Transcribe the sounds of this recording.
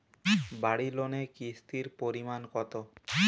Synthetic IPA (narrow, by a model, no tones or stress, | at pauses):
baɽilonekist̪iɾpoɾimankɔt̪o